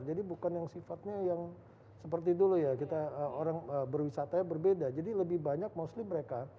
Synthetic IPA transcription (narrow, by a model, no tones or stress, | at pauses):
rd͡ʒadibukanjaŋsifat̪̚ɲajaŋ | səpərt̪̬idulujakit̪aəoɾaŋəbərwisat̪ajabərbedad͡ʒadiləbɪhbaɲak̚moslɪmːəɾeka